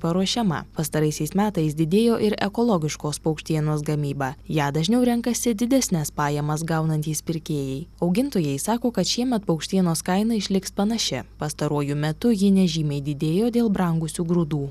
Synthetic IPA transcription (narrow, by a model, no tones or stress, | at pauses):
pɐɾuɔʃʲɛmɐ̰pɐst̪ɐɾɐɪsʲɛɪsmʲæːt̪ɐɪsd̪ʲɪd̪ʲeːjoːʔɪɾɛ̰kɔlˠɔɡʲɪʃkoːspɐʊkʃʲt̪ʲiɛnoːs̬ɡɐmʲiːbɑːjæːd̪ɐʒʲnʲɛʊɾʲɛŋkɐsʲɪd̪ʲɪd̪ʲæsʲnʲɛspɑːjɛmɐsɡɐʊnɐnʲt̪ʲiːspʲɪɾʲkʲeːjɛɪɐʊɡʲɪnt̪oːjɛɪsɑːkoːkɐt̪ʃʲiɛmʲɛt̪̚pɐʊkʃʲt̪ʲiɛnoːskɐɪnɐɪʃʲlʲɪkspɐnɐʃʲɛpɐst̪ɐɾuɔjʊmʲɛt̪ʊjɪnʲɛʒʲiːmʲɛɪd̪ʲɪd̪ʲeːjoːd̪ʲeːlˠbɾɐŋɡʊsʲuːɡɾʊd̪uː